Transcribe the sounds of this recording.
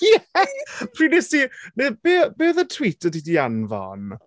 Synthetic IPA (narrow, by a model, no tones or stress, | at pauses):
jɛpʰrinɪsineb̥ebeːðətʰwitʰədidianvɔ̰n